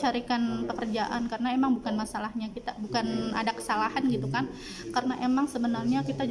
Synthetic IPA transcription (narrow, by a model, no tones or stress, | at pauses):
t͡ʃaɾikanpəkərd͡ʒaʔankarənaemaŋbukanmasalahɲakit̪abukana̰dakə̥salahanɡit̪ukan | kaɾənaʔemaŋsəbənarɲakit̪a